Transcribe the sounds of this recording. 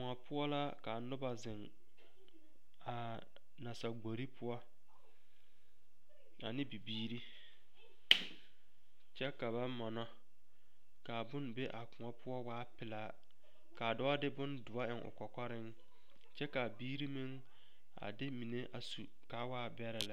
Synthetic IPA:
kʊ˨ŋa˨pʊ˦ɔ˦la˦ka˨nʊ˦ba˨zɪ˨ŋ | a˨ | na˨sa˨ɡ͡bo˨ɾi˦pʰʊ˦ɔ˦ | a̰˨nɪ˦bi˨biː˦ɾi˦ | t͡ʃɛ˦ka˨βa˦mɔ˨nɔ˦ | ka˨bʊ˦nbe˦ʔa˨kʊ̃˨ŋɔ˦pʰʊ˦ɔ˦waː˦pɪ˨laː˦˨˦ | ka˨dɔ˦a˦dɪ˦bʊ˦ndʊ˨a˦ɪ˨ŋʔʊ̰˨kɔ˨kɔ˦ɾɪ˦ŋ | t͡ʃɛ˦ka˨biː˦ɾi˦mɪ˦ŋ | a̰˨dɪ˦mi˨ne˦ʔa˨su˨ | ka˨˦waː˦bɛ˦ɾɪ˨la˦

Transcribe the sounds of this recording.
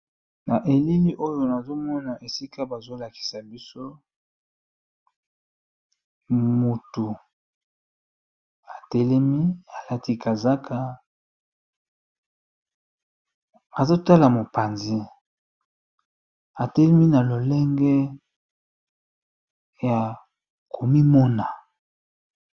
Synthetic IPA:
na˨ʔe˨li˦li˦ʔo˦jo˨na˨zo˦mɔ˦na˨ʔe˨si˦kʰa˦ba˨zo˦la˨ki̥˨sa˨bi˦so˦ | mu˨tu˨ | a˨tɛ˦lɛ˦mi˦a˨la˦ti˦ka˨za˦kʰa˨ | a˨zo˦ta˦la˨mo˨pa˨nzi˦ | a˨tɛ˦lɛ˦mi˦na˨lo˨lɛ˦ŋɡɛ˦ | ja˨ | ko˨mi˦mɔ˦na˨

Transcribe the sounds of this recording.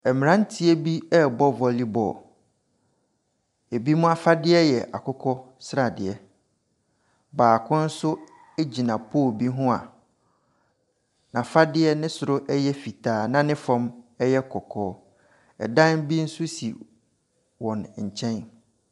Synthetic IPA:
ɛ˨m̃˨ɾã˦n˦tʰɪ˦ɛ˦bi˦ɛ˦˨bɔ˦vɔ˦˨li˦bɔ̰˨ | e˨bi˦mʊ̃˦a˦fa˦dɪ˦ɛ˦jɛ˨ʔa̰˨kʰʊ˦kʰɔ˦ | sɾa˨dɪ˨ɛ˦ | baː˨kʰʊ̃˦n̩˦sʊ˦ | e˦d͡ʑi˨nã˨pʰoː˦˨bi˦ɦʊ̃˦a̰˨ | nã˨fa˦dɪ˦ɛ˦nɪ̃˦sʊ˨ɾʊ˦ʔɛ˦jɛ˦fi˨tʰaː˨nã˦nɪ̃˦fã˦mɛ˦jɛ˦kʰɔ˨kʰɔː˦ | ɛ̰˨dã˦nbi˦n̩˦sʊ˦sḭ˨ | wɔ̃˨nɲ̩˨t͡ɕʰɛ̃˦n

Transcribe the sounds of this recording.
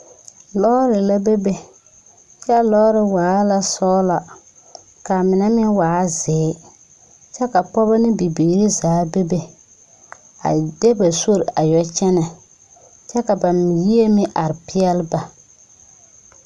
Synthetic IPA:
lɔ˦ɾɪ˨la˦be˦be˦ | t͡ʃɛ˦lɔ˦ɾɪ˨waː˨˦la˦sɔ˦la˨ | ka˨mɪ˨nɛ˦mɪ˦waː˨˦zɪː˨˦ | t͡ʃɛ˦ka˨pɔ˦ba˦nɪ˦bi˨biː˨ɾi˦zaː˨˦be˦be˨ | a̰˨de˦ba˨so˦ɾʔa˨jɔ˦t͡ʃɛ˦na˨ | t͡ʃɛ˦ka˨ba˨m˨ji˦e˦mɪ˦ʔa˨ɾɪ˨pɪ˦ɛ˦lba˨

